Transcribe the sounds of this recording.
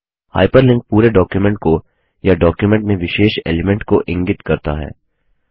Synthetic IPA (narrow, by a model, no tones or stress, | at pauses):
ha̰ːɪpəɾlɪ̃ŋk̚puːɾeɖɔːkjumɛ̃ɳʈ̚ko | jaɖɔːkjumɛ̃ɳʈmẽʋɪʃeːʃḛːlemɛ̃ɳʈkoʔɪ̃ŋɡɪt̪kɐɾt̪a̰ɦɛ̰ː